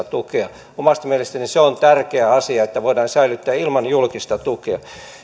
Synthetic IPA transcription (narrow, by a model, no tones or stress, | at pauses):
t̪ukeɑ | omɑst̪ɑmielest̪æniseont̪ærkeæɑsiɑet̪ːæʋoidɑːnsæilyt̪ːæːilmɑnjulkist̪ɑt̪ukeɑ